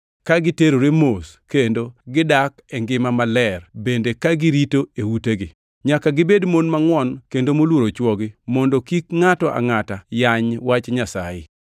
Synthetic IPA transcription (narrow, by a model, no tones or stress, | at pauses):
kaɡɪteɾoɾemoskendoɡɪdakɛŋɡɪmamalɛrbendekaɡɪɾitoewuteɡɪ | ɲakaɡɪbedmonmaŋwɔnkendomolwoɾot͡ʃwɔɡɪmɔndɔkikŋatɔʔa̰ŋatajaɲwat͡ʃɲasa̰jɪ̰